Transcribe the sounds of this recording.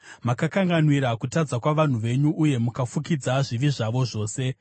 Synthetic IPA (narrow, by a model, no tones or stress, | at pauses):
makakaŋɡanwiɾakutad͡zakwaʋan̤uʋe̞ɲuːje̞mukafukid͡zaʐiʋiʐaʋo̞ʐo̞ːse̞